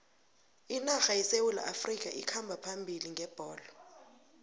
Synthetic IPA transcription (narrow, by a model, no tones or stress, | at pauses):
inaxajisewula̰ʔafrikʼaʔikʰambʱapʰambʱiliŋʱɛb̥ʱɔːlɔ